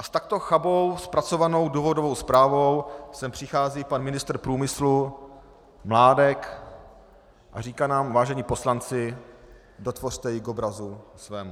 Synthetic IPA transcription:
ʔast̪ak̚t̪o̞xabo̞wspɾat͡so̞vano̞wduːvo̞dovo̞wspɾaːvo̞wsɛmpr̥ɪxaːziːpanmɪnɪst̪r̩pɾuːmɪslu | mlaːdɛk | ʔariːkaːnaːmvaːʒɛɲiːpo̞slant͡sɪ | do̞t̪vor̥t̪ɛjɪɡobɾazusvɛːmu

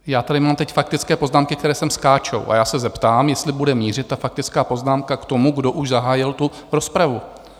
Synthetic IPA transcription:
jaːt̪adɪmaːmt̪ɛcfak̚t̪ɪt͡skɛːpo̞znaːmkɪkt̪ɛɾɛːsɛmskaːt͡ʃo̰wʔa̰jaːsɛzɛpt̪aːmjɛst̪lɪbudɛmiːr̝ɪt̪ːafakt̪ɪt͡skaːpo̞znaːmkakt̪o̞muɡdo̞ʔuʒzaɦaːjɪlt̪u | ɾo̞spɾavu

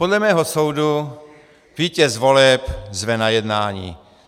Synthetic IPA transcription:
podlɛmɛːɦosowdu | viːcɛzvolɛpzvɛnajɛdnaːɲḭː

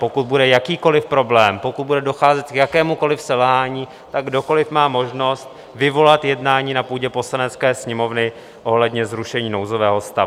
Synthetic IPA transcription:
po̞kut̪̚budɛjakiːko̞lɪfpɾo̞blɛːmpo̞kut̪̚budɛdo̞xaːzɛt̪kjakɛːmuko̞lɪfsɛlɦaːɲiː | t̪aɡdo̞ko̞lɪfmaːmo̞ʒno̞st̪ | vɪvo̞lat̪jɛdnaːɲiːnapuːɟɛpo̞slanɛtt͡skɛːsɲɛmo̞vnɪ | ʔo̞ɦlɛdɲɛzɾuʃɛɲiːno̞wzovɛːɦo̞st̪avu

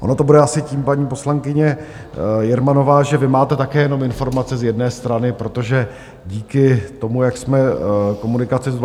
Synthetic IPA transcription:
ʔo̞no̞t̪o̞budɛasɪciːmpaɲiːpo̞slaŋkɪɲɛ | jɛɾmano̞vaːʒɛvɪmaːt̪ɛt̪akɛːjɛno̞mɪnfo̞ɾmat͡sɛzjɛdnɛːst̪ɾanɪpɾo̞t̪o̞ʒɛ | ɟiːkɪt̪o̞mujaksmɛko̞munɪkat͡sɪz

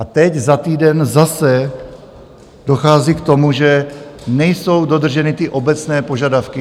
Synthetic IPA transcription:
ʔat̪ɛɟzat̪iːdɛnzasɛ | do̞xaːziːkt̪o̞muʒɛnɛjso̞wdo̞d̪r̩ʒɛnɪt̪ɪʔo̞bɛt͡snɛːpo̞ʒadafkɪ

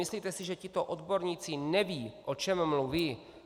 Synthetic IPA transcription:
ɪsliːt̪ɛsɪʒɛcɪt̪o̞ʔod̪bo̞ɾɲiːt͡sɪnɛviːʔo̞t͡ʃɛmmluviː

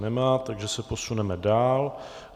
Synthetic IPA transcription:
nɛmaːt̪aɡʒɛsɛpo̞sunɛmɛdaːl

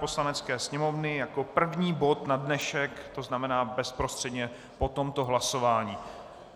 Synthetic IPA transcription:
poslanɛt͡skɛːsɲɛmo̞vnɪjako̞pr̩vɲiːbo̞t̪nadnɛʃɛkt̪o̞znamɛnaːbɛspɾo̞st̪r̝̥ɛdɲɛ | po̞t̪o̞mt̪o̞ɦlaso̞vaːɲiː

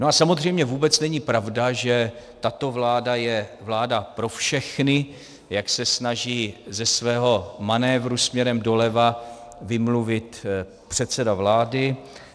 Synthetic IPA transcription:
noasamo̞zr̝ɛjmɲɛvuːbɛt͡snɛɲɪpɾavdaʒɛt̪at̪o̞vlaːdajɛvlaːdapɾo̞fʃɛxnɪ | jaksɛsnaʒiːzɛsvɛːɦo̞manɛːvɾusmɲɛɾɛmdo̞lɛva | vɪmluvɪt̪ | pr̝̥ɛt̪t͡sɛdavlaːdɪ

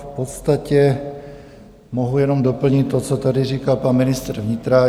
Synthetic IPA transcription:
fpɔt̪st̪acɛ | mɔɦujɛnɔmd̪ɔpl̩ɲict̪ːɔt͡sɔt̪adiriːkalpanminist̪ɛɾvɲit̪ɾa

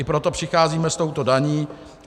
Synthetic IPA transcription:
ɪpɾot̪opr̥ɪxaːziːmɛst̪o̞wt̪o̞daɲiː

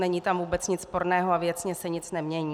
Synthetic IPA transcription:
nɛɲiːt̪amvuːbɛt͡sɲɪt͡sspoɾnɛːɦoavjɛt͡sɲɛsɛɲɪt͡snɛmɲɛɲiː

